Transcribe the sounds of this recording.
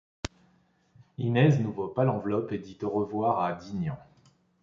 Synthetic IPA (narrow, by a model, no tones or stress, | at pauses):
inɛznuvɔpalɑ̃vlɔped̪it̪oʁəvwaʁad̪iɲɑ̃